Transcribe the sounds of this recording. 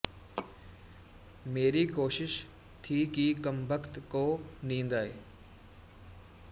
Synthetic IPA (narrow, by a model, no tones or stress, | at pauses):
meːɾikoːʃɪʃ | t̪ʰikikəmbəkt̪koːnĩːnd̪aːɦḛː